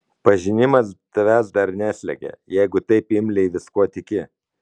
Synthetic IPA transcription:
pɐʒʲɪnʲɪmɐst̪ɐʋʲæsd̪ɐɾnʲæːsʲlʲɛ̰ɡʲɛ̰jɛɪɡʊt̪ɐɪpɪmʲlʲɛɪʋʲɪskuɔt̪ʲɪkʲɪ

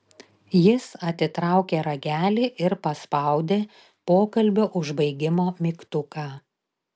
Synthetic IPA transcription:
jɪsɐt̪ʲɪt̪ɾɑˑʊkʲeːɾɐɡʲæːlʲiʔɪɾpɐspɐˑʊd̪ʲeː | poːkɐlʲbʲʊʔʊʒbɐɪɡʲɪmoːmʲikt̪ʊkɑː

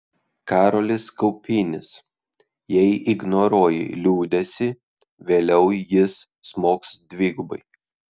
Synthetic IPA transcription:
kɑːɾolʲɪskɐʊpʲiːnʲɪs | jɛɪʔɪɡnɔɾoɔjɛ̰lʲuːd̪ʲɛsʲɪ | ʋʲeːlʲɛʊjɪsː | moːksd̪ʲʋʲiːɡʊbɐɪ

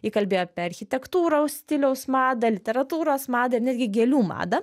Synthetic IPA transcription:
jiːkɐlʲbʲeːjoːpʲɛɐɾʲxʲɪt̪ʲɛkt̪uːɾoʊsʲt̪ʲɪlʲɛʊsmɑːd̪ɐlʲɪt̪ʲɛɾɐt̪uːɾoːsmɑːd̪ɐɪɾnʲæːd̪ʲɡʲɪɡʲɛːlʲuːmɑ̰ːd̪ɐ

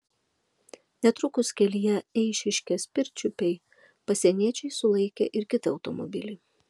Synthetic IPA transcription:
nʲɛt̪ɾʊkʊskʲɛlʲɪjɛɛɪʃʲɪʃʲkʲɛsʲpʲɪɾʲt͡ʃʲʊpʲɛɪ | pɐsʲiɛnʲiɛt͡ʃʲɛɪsʊlˠɐɪkʲɛ̰ʔɪɾkʲɪt̪ɪɒʊt̪ɔmɔ̰bʲɪlʲɪ

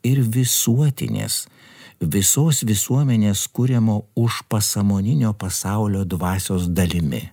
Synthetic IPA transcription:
ɪɾʋʲɪsuɔt̪ʲɪ̰nʲḛːs | ʋʲɪsoːsʋʲɪsuɔmʲɛnʲeːskʊɾʲɛmoːʊʃpɐsɐmoːnʲɪnʲoːpɐsɑˑʊlʲoːd̪ʋɑːsʲoːsd̪ɐlʲɪmʲɪ̰

